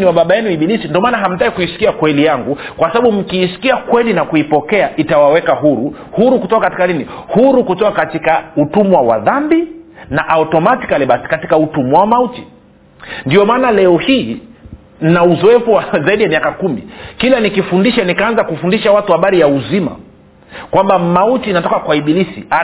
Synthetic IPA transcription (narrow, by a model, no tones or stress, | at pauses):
niwaɓaɓajɛniiɓilisindiɔmaːnaɦam̩taikuisi̥kiakwɛlijaŋɡukwasaɓaɓum̩kiːsi̥kiakwɛlinakuipɔkɛaʔitawawɛkaɦuɾu | huɾukutɔkakati̥kaninihuɾukutɔkakatikautumwawa̰ðambinaʔautɔmati̥kaliɓasi̥kati̥kautumwawamauti | ndiɔmaːnalɛɔhiː | nauzɔɛfuwazaiɗijamiakakumḭkilanikifundiʃanikaanzakufundiʃawatuhaɓaɾijauzima̰ | kwambamautinatɔkakwaiɓilisḭa